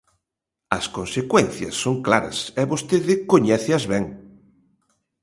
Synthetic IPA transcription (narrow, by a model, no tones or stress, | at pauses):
ɐskonsekwɛn̟θjɐ̰sːoŋklaɾɐ̰sɛβost̪eðɪkoɲɛθɪɐzβɛŋ